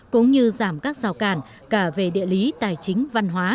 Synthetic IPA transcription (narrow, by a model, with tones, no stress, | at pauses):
kʊ̰˧˥ŋ͡mɲɨ˧zaː˧˩mkaː˦˥k̚zaː˨˩wkaː˧˩n | kaː˧˩ve˨˩ɗḭ˧˨əli˨˦t̪aː˨˩jt͡ɕï˨˦ŋ̟va˧nɦwaː˨˦